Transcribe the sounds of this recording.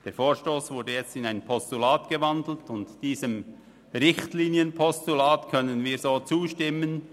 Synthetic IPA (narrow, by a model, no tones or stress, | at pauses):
d̥eːfoːɹʃtoːsvʊdəjɛt͡stɪnaɪnpʰɔstulaːtɡ̥əvɑndl̩tʊntd̥iːzəm | ʁɪçtliːnjənpʰɔstulaːtkʰœnənviːɹzoːt͡suːʃtɪmən